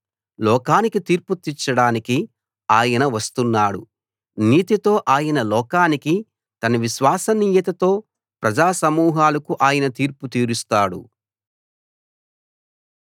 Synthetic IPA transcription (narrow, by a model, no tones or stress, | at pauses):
lɔːkaːnikit̪iːɾput̪ːit͡ʃːɐɽaːniki | aːjɐnɐʋɐst̪unːaːɽṵ | niːt̪it̪o̞ːʔaːjɐnɐlɔːkaːniki | t̪ɐnɐʋiʃʋaːsɐniːjɐt̪ɐt̪o̞ː | pɾɐd͡ʒaːsɐmuːɦaːlɐkuʔaːjɐnɐt̪iːɾput̪iːɾust̪aːɽṵ